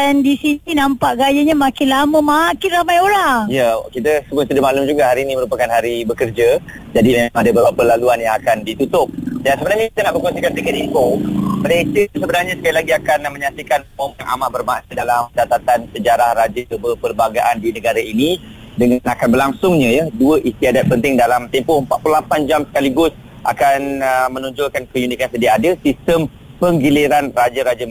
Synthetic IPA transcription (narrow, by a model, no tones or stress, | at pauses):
andisiinãmpaʔɡajaɲamakɪnlaməmakɪnramajoɾaŋijakit̪əsəbʊnsədamalʊmd͡ʒuɡahaɾiːnĩməɾupakanɦaɾibəkərd͡ʒa | d͡ʒadiaadabəbapəlaluanjaŋakandit̪ut̪ʊp̚dansəbənarɲakit̪ənaʔbərkɔnsikant̪ikət̪ikobədaisəusəbənarɲãsə̥kalilaɡiakanmə̃ɲasikanmomənʔa̰mabərmaʔnədalamt͡ʃat̪at̪ansəd͡ʒaɾahɾad͡ʒəbərpəlbaɡaʔandinəɡaɾaini | dəŋanakanbərlaŋsʊŋɲãjaduəʔist̪iadat̪̚pənt̪ɪŋdalamt̪ɛmpʊhəmpat̪̚pululapand͡ʒamsə̥kaliɡʊs | ʔa̰kanmə̃nuɲd͡ʒʊlkankəjunikansədiaadəsist̪əm | pəŋɡiliɾanrad͡ʒaɾad͡ʒəm